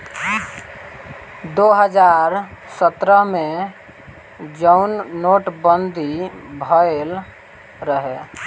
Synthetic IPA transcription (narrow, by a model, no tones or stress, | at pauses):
d̪oɦəd͡ʒaɾsət̪ɾəɦmẽ | d͡ʒənːoːʈbənd̪ʱibʱəel | ɾəɦe